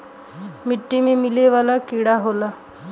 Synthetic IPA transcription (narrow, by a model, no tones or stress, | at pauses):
miʈːimiːmileʋalakiɽaɦola